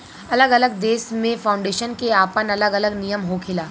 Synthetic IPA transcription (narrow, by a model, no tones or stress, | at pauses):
ɐləɡɐləɡd̪eːsmẽfaːʊ̃ɳɖeːʃənkeaːpənɐləɡɐləɡnijəmɦokʰɪlaː